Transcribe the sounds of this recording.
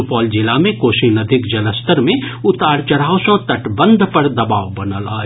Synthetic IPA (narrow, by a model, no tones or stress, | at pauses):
pɔːld͡ʒɪlamẽkoːʃinɐd̪ʱɪkd͡ʒɐləst̪əɾmẽʊt̪aːɾt͡ʃɐɾaːʊsõt̪əʈbə̃nd̪ʱpəɾd̪ɐbaːʋbɐnəla̰ː